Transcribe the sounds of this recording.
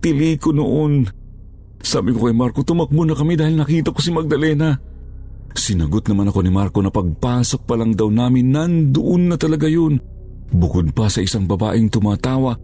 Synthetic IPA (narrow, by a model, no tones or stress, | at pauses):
t̪ɪliːkonoʔon | saːbɪkokɐjmaɾko̞t̪ʊmɐk̚bʊnɐkɐmid̪aːhilnɐkiːt̪ɐkosimɐɡ̚d̪ɐlɛna | sɪnɐɡot̪nɐmanɐko̞nimaɾkonɐpɐɡ̚paːso̞k̚pɐlaŋd̪ɐwnaːmɪnːɐnd̪ʊʔonːɐt̪ɐlɐɡajon | bʊkod̪̚pɐsɐʔɪsaŋbɐba̰ːʔɪŋt̪ʊmaːt̪aːwa